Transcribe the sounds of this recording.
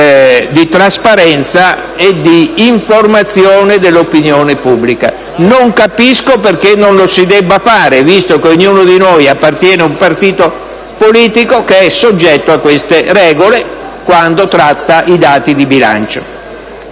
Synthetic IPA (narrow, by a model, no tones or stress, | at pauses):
d̪it̪ɾaspaɾɛnt̪sa | ed̪iːɱformat̪sjoːned̪elːopinjoːnepubːlika̰ | noŋkapiskoperkenːonlosid̪ɛbːafaːɾevist̪okeoɲjuːnod̪inojapːart̪jɛːneumpart̪iːt̪o | poliːt̪ikokeɛsod͡ʒːɛt̪ːoakːwest̪eɾɛːɡole | kwand̪ot̪ɾat̪ːaʔid̪aːt̪id̪ibila̰nt͡ʃo